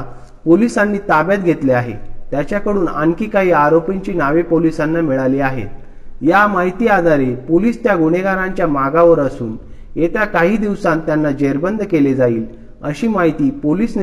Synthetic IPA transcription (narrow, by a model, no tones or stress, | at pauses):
polisanːiːt̪abjat̪̚ɡʱet̪leaɦḛt̪jat͡ɕjakəɽuːna̰ŋkiːkaɦiːaɾopiɲt͡ɕiːnaʋepolisanːamiɭaliaɦḛ | jamaɦit̪iːad̪ʱaɾepoliːst̪jaɡuɽ̃eɡaɾãɲt͡ɕjamaɡaʋəɾəsuːn | jet̪jakaɦiːd̪iʋsãnt̪janːad͡ʑeɾbənd̪ʱkeled͡zaiːl | əɕiːmaɦit̪iːpoliːsn